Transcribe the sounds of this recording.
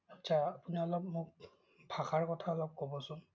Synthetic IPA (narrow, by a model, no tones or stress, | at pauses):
atːʰaːpuniɔlɔp̚mʊk̚ | bʱaxaɹkɔtʰaɔlɔp̚kobɔsʊn